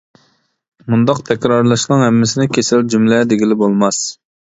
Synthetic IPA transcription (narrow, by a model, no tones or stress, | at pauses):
mund̪ɑqt̪ʰɛkʲɾɑɾlˠɑʃqɑŋhɛmːɪsɪnɪkʲʰesɪld͡ʒymlɛd̪eɡʲilɪbolˠmɑs